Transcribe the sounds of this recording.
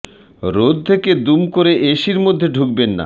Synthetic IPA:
ɾod̪̚t̪ʰeked̪umkoɾeʔeʃiɾmod̪ʱːeɖʱuk̚benːa̰

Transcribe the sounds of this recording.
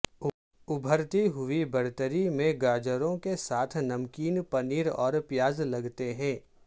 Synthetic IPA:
ʊbʱəɾt̪iɦʊibɐɽt̪əɾimẽɡaːd͡ʒəɾõkesaːt̪ʰnɐmkiːnpɐniːɾɔːɾpjaːzlɐɡt̪eɦɛ̃ː

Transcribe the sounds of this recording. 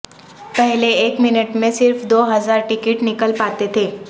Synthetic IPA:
pɛɦleːkmɪnəʈmẽsɪɾfd̪oːɦɐzaːɾʈɪkɪʈnɪkəlpaːt̪et̪ʰeː

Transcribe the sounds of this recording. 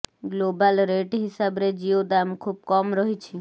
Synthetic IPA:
ɡlobalɾeʈɦɪsabɾed͡ʒiod̪amkʰub̚kɔmɾɔɦit͡ʃʰi

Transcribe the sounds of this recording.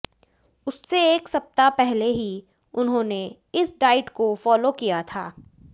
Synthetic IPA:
ʊsːeeːksɐp̚t̪apɛɦleɦi | ʊnɦõːne | ɪsɖaːɪʈkofɔːlokijat̪ʰa̰ː

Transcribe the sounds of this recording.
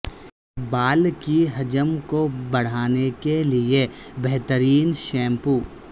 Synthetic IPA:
baːlkiɦɐd͡ʒəmkobɐɽ̤aːnekeliebɛɦt̪əɾiːnʃɛ̃ːmpuː

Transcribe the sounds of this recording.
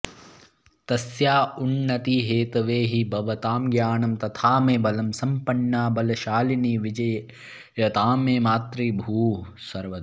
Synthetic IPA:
t̪ɐsjaːunːɐt̪iɦeːt̪ɐʋeːɦibɐʋɐt̪aːmɡjaːɳɐmt̪ɐt̪ʰaːmeːbɐlɐmsɐmpɐɳːaːbɐlɐʃaːliniʋid͡ʒɐj | jɐt̪aːmeːmaːt̪ɾiːbʱuːsɐɾʋɐ

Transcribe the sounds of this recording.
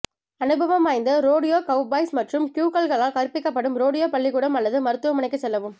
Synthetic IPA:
ɐnɯbʱɐʋɐmaːjnd̪ɐɾoːɽɪjoːkɐʊbaːɪsmɐʈrɯmkjuːkɐlɣɐɭaːlkɐɾɯpːɪkːɐpːɐɽɯmɾoːɽɪjoːpɐɭːɪkuːɽɐmɐlːɐðɯmɐɾɯt̪ːɯʋɐmɐnɐɪkːɐt͡ʃsɛlːɐʋɯm

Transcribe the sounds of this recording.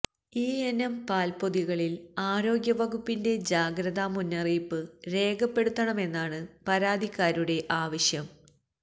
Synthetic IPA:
iːenɐmpaːlpo̞ðiɣɐɭilaːɾo̞ːɡjɐʋɐɣupːinde̞d͡ʑaːɡɾɐðamunːɐriːpːɨɾe̞ːɡɐpːe̞ɽut̪ːɐɳɐme̞nːaːɳɨpɐɾaːd̪ʱikːaːɾuɽe̞ʔaːʋɐɕjɐm

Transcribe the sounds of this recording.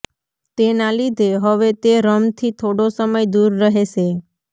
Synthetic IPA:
t̪enalid̪ʱeɦəʋet̪eɾəmt̪ʰit̪ʰoɽosəməjd̪uɾːəɦeʃe

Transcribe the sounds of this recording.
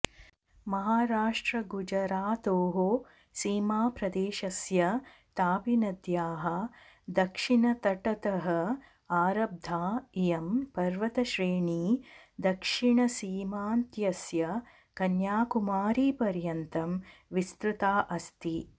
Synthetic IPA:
mɐɦaːɾaːʂʈɾɐɡud͡ʒɐɾaːt̪oːɦoː | siːmaːpɾɐd̪eːʃɐsjɐ | t̪aːpinɐd̪jaːɦɐ̆ | d̪ɐkʂiɳɐt̪ɐʈɐt̪ɐɦɐ | aːɾɐb̚d̪ʱaːijɐmpɐɾʋɐt̪ɐʃɾeːɳiːd̪ɐkʂiɳɐsiːmaːnt̪jɐsjɐ | kɐnjaːkumaːɾiːpɐɾjɐnt̪ɐmʋist̪ɾut̪aːʔɐst̪i

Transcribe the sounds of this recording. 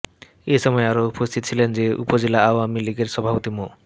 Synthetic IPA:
eʃɔmɔeaɾoupost̪ʰit̪ot͡ɕʰilend͡ʑeṵpod͡ʑelaawamiliɡeɾʃɔbʱapot̪imo

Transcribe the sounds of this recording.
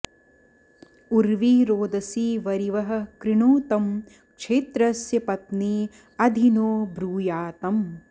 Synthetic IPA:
uɾʋiːɾoːd̪ɐsiːʋɐɾiʋɐɦɐ̆kɾɪɳoːt̪ɐm | kʃʰeːt̪ɾɐsjɐpɐt̪niː | ɐd̪ʱinoːbɾuːjaːt̪ɐm

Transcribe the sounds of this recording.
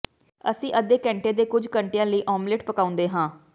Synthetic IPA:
ə̰sĩːʔəd̪eːkɛ̃ːɳʈeːd̪eːkʊd͡ʒʱkəɳʈejãːləiːʔɔːmlɪʈpəkaːʊ̃nd̪eːɦãː

